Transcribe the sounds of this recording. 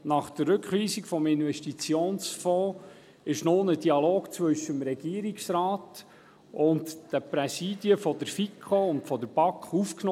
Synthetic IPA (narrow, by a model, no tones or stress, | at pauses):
nɑχd̥̪ərːɵkχʋiːsikfɔmɪnvɛʃtit͡sjoːnsfɔː | ɪʃnonəd̥iɑloːkt͡svɵʃəmɾɛɡ̥iːəɾiksrɑːt | ʊntd̥əpɾɛsiːd̥iəfɔd̥̪əɾfikʰχoʊntfɔd̪əɾb̥ɑkχufkn